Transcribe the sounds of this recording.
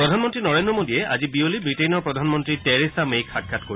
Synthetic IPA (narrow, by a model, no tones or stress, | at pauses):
pɹɔdʱanmɔntɹinɔɹendɹɔmodijɛʔa̰zibiolibɹitenɔɹpɹɔdʱanmɔntɹitɛɹisamejkʰat̚ɡʰʱatkoɹi